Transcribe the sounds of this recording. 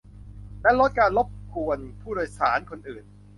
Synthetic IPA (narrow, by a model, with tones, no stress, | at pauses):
lɛ˦˥lo˦˥t̪̚kaː˧nlo˦˥p̚kʰu˧ənpʰuː˥˩ɾoː˧jsaː˩˦nkʰo˧nʔɯː˨˩n